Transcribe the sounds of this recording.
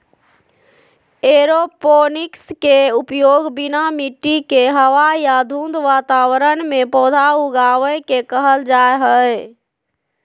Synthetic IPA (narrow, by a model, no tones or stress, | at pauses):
eɾoponikskeupjoɡbinamiʈːikeɦəʋajad̪ʱũnd̪ʋat̪aʋəɾənmepɔd̪ʱauɡaʋəjkekəɦəld͡ʒaeɦəj